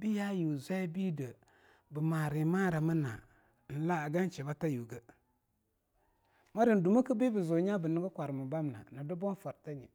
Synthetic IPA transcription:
bi˦ja˦ju˨zʷa˦bi˦də˨ | bə˨ma˨ɾi˨ma˦ɾa˨mə˦na̰˨ | n̩˨la˦˨ɡa˦n˦t͡ʃi˨ba˦ta˦ju˨ɡə˦ | ma˦ɾi˨n˨du˨mə˦kə˦bi˦bə˨zu˨ɲa˦bə˨ni˦ɡə˦kʷa˨ɾmu˨ba˦m˨na̰˨na˨du˦bo˦n˦fa˨ɾta˦ɲḭ˨

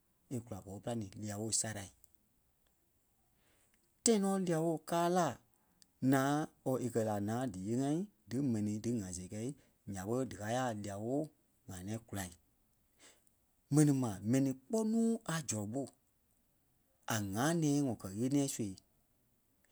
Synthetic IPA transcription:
e˧ku˨la˨bɔː˨˦pɨ˦la˦nĩː˨˦li˧a˨wo˦˨sa˧ɾa˨i˨ | tã˦ĩ˦nɔ̃ː˨˦li˦˧a˨woː˦˨kaː˦laː˦˨ | nãː˨˦ɔ˧˨ʔe˨kɜ˧la˨nãː˨˦dɨ˨je˧˦ŋã˦ĩ˦dɨ˨˦mɛ̃˨nĩ˧dɨ˨˦ŋã˨se˨kɛ˧˦i˦ | ɲã˨ɓə˦dɨ˨ka˨˦a˦˨li˧˨a˨woː˦˨ | ŋã˨nɛ̃ː˨˦ku˨la˨i˨ | mɛ̃˨nĩ˨mã˨mɛ̃˨nĩ˧k͡pɔ˦nũː˦a˨d͡ʒɔ˨ɓo˦˨ | a˨ŋã˨˦nɛ̃ː˨˦ŋɔ̃˨kɜ˨ɣe˦nĩ˦ɛ̃˦su˦e˨˦

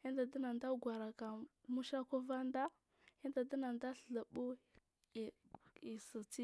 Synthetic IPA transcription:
i˦nda˨da˦na˨nda˦ɡʷa˨ɾa˨ka˨mu˦ʃa˦ko˦va˦nda˦ | i˦nda˨da˦na˨nda˦ɬɬa˨bu˦˨ | i˨sə˨t͡si˦

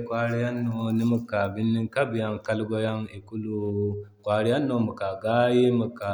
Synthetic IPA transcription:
kʷa˦ɾi˦ja˦nːo˨ni˦mu˨ka˨bɪ˦nːi˦ŋka˦bi˨ja˦ŋka˦lɡʷɔ˦ja˦ŋi˨ku˦lu˨kʷa˨ɾi˦ja˦nːo˨mu˨ka˨ɡa˦je˦mu˨ka˨

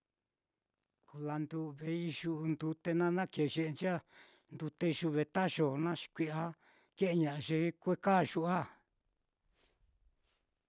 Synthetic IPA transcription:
ku˨la˧nd̪u˧βe˧i˧ʒu˧u˧nd̪u˧t̪e˧nã˦nã˦ke˨ʒe˧ʔe˧nd͡ʒi˦a˦ | nd̪u˧t̪e˧i˧ʒu˧βe˧t̪a˦ʒo˨nã˦ʃi̥˧kʷi˧ʔa˧ | ke˦ʔe˧ɲã˨ʔa˧ʒe˧kʷe˦ka˦˨ʒu˧ʔa˦

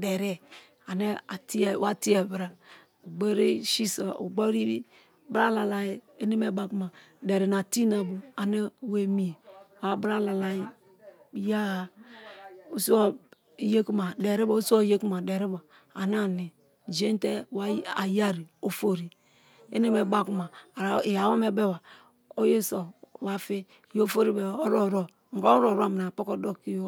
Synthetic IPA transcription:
dɛ˨ɾe˦ | a˨ne˦a˨ti˦˨˦wa˦ti˦ɛ˨bɾa˨ | u˨ɡ͡bɔ˦ɾe˦ʃi˦sa˨ʔṵ˨ɡ͡bo˦ɾi˦ɾi˦ | bɾa˦˨la˨la˨ji˦e˦ne˦me˦ba˨ku˦ma˨ | de˨ɾe˨na˨ti˦na˨bu˨a˨ne˦we˨mi˨wa˨bɾa˦˨la˨la˨ji˦ | ja˦a˨ | o˦su˦ɔ˦˨ | je˦ku˦ma˨de˨ɾi˦bo˨˦u˦su˦o˦je˦ku˦ma˨de˨ɾi˦bo˨ | a˨n˦a˦˨ni˨ | d͡ʒe˦n˦te˦wa˦a˨ja˦ɾi˨o˨fo˦ɾi˨ | ḛ˦ne˦me˨ba˦ku˦ma˨ja˨wo˦me˦be˦wa˨ | o˦je˦so˨wa˦fi˦ | jo˦fo˦ɾi˦be˨o˦ɾo˦˨ɾo˦ | ŋ̩˨ka˦ɾo˨ɾa˦˨mi˨na˨po˦ko˦do˦ki˦jo˦

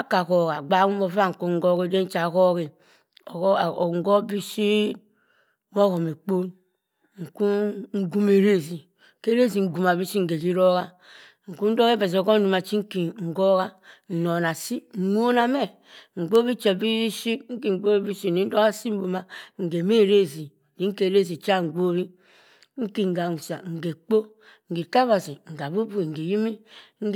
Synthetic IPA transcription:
a˦ka˨ko˨ɣa˨ɡ͡ba˨˦ku˦o˦va˦ŋ̩˨ku˦ŋ̩˦ɡo˦ɣe˦de˦n̩˦t͡ʃa˨ko˦ɣi˨˦˨ | ŋ˨ɡo˦bi˦si˦ | wo˦ɣo˨me˨k͡po˦n | ŋ̩˨ku˦ŋ̩˦ɡu˦me˨ɾe˦zi˨ | ke˦ɾe˦zi˨ŋ̩˨ɡu˨ma˨bi˦si˦ŋ̩˨ɡe˨ki˦ɾo˦ɣa˦ | ŋ̩˨ku˦n̩˦do˦ɣe˦be˨z̬o˨ɡo˦n̩˦du˨ma˨t͡ʃi˦ŋ̩˦ki˨ŋ̩˨ɡo˦ɣa˦n̩˨no˨na˨si˦˨nu˦o˦na˦me˦ | ŋ̩˨ɡ͡bo˦bi˦t͡ʃe˨bi˦ʃi˦kŋ̩˦ki˦ŋ̩˨ɡ͡bo˦bi˦si˦˨ni˨˦n̩˦do˦ɣa˦si˦m̩˦bu˨ma˨ŋ̩˨ɡe˨me˦˨ɾe˦˨zi˨ | di˦ŋ̩˦ke˨ɾe˦˨zi˨t͡ʃa˦˨ŋ̩˨ɡ͡bo˦βi˦ | ŋ̩˦ki˦ŋ̩˨ɡa˨nu˨sa˨ŋ̩˨ɡe˨k͡po˦ | ŋ̩˨ɡi˨ta˦ba˨si˨ŋ̩˨ɡa˨bu˦bu˦i˨ŋ̩˨ɡe˨ji˦mi˦ŋ̩˦

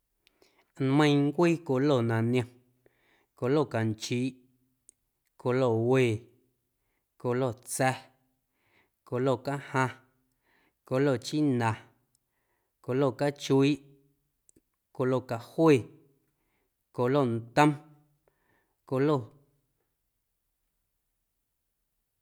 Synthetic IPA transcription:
nmə̃˧j̃ŋ˦kʷiː˦ko˧˨lo˦˨nã˨nj̃õ˧ | ko˧lo˦˨ka˨nt͡ʃiː˨˦ʔ | ko˧lo˧˨weː˧˨ | ko˧lo˦˨t͡sɛ˧ | ko˧˨lo˦˨ka˦hã˧ | ko˧lo˦˨t͡ʃi˦nã˨ | ko˧lo˦˨ka˦t͡ʃu˧˦i˦ʔ | ko˧˨lo˧˨ka˨hweː˦˨ | ko˧lo˦˨n˨t̪ə̃˦m | ko˧lo˦˨

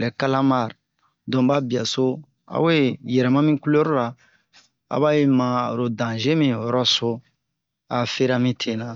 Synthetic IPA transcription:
lɛ˨ka˦lã˦ma˦˨ɾ | dɔ̃˨ba˦bi˨a˨so˦ | a̰˨we˦jɛ˨ɾɛ˨mã˦mĩ˦ku˦lo˦ɾo˦ɾa˨ | a̰˨ba˦je˦mã˨ɾo˨dã˨ʒẽ˦mĩ˦wɔ˨ɾɔ˦so˦ | a˨fe˦ɾa˦mĩ˦tʰe˨nã˨

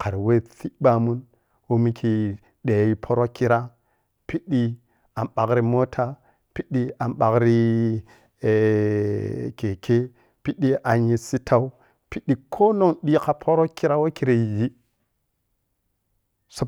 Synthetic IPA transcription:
ka˨ɾi˨we˦θi˦ba˨mu˦n | wo˦mi˦kʰi˨ | ɗe˨ji˨pʰo˦ɾo˦ki˦ɾa˦ | pi˦ɗi˦ | a˨mɓa˨kɾi˦mo˦tʰa˦ | pi˦ɗi˦a˨mɓa˨kɾi˦˨ | ke˨ke˦ | pi˦ɗi˦ʔa˨nji˨si˦tʰa˦u˦ | pi˦ɗi˨kʰo˦no˦ŋɗi˦ka˨pʰo˦ɾo˦ki˦ɾa˦wo˦ki˦ɾe˨ji˦ | sa˦

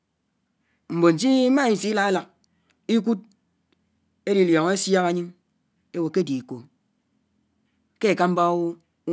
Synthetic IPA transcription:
m̩˨bo˨n̩˨d͡ʒi˦ma˦i˨si˨˦la˦a˦la˨k̚ | i˦k̬u˦t̚ | e˦ɾi˨ljɔ˨ŋe˦sja˦ka˨ɲɨ˦ŋ | e˦wo˨ke˦di˨ko˨ | ke˦e˨ka˦m̩˦ba˦w

